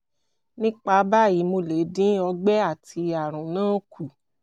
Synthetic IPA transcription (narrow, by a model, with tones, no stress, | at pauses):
nĩ˦k͡pa˧˦ba˦˨ji˨˦mo˧le˨˦dĩ˦ɔ˧ɡ͡bɛ˦a˦˨ti˧a˨ɾ̃ũ˨nãː˦kʰu˨